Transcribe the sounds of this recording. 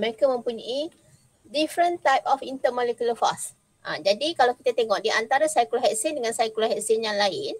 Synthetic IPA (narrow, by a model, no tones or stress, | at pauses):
məɾekamə̃mpuɲaʔi | difɾənt̪ajpɔfint̪əmãlekuləfas | ʔã̰d͡ʒadikalawki̥t̪at̪eŋɔʔdiʔant̪aɾasajkulaɦɛʔsɪndəŋãnsajkulaɦɛʔsɪnjaŋlaɪn